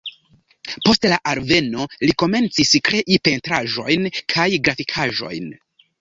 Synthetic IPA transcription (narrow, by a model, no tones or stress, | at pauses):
po̞stlaʔaɾve̞no̞liko̞me̞nt͡siskɾe̞ʔipe̞ntɾaʒo̞jnkʰajɡɾafikʰaʒo̞̰jn